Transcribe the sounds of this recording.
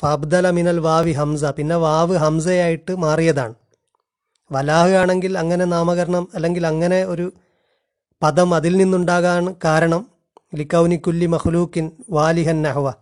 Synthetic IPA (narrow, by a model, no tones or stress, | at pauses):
fɐɐbd̪ɐlɐminɐlʋaːʋiɦɐmsɐpinːe̞ʋaːʋɨɦɐmsɐjaːjiʈːɨmaːrijɐðaːɳɨ | ʋɐlaːhɨaːɳe̞ŋɡilɐŋːɐne̞naːmɐɣɐɾɐɳɐmɐlːe̞ŋɡilɐŋːɐne̞o̞ɾu | pɐðɐmɐðilninːuɳɖaːɣaːɳɨkaːɾɐɳɐm | likːɐwnikʲːulːimɐxluːkːinʋaːliɦɐnːɐɦuʋɐ